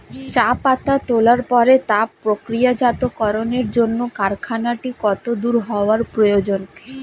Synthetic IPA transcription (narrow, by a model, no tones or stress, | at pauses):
t͡ɕapat̪at̪olaɾpɔɾet̪apːɾokɾijad͡ʑat̪okɔɾoneɾd͡ʑonːokaɾkʰanaʈikɔt̪od̪uɾɦɔoaɾpɾojod͡ʑon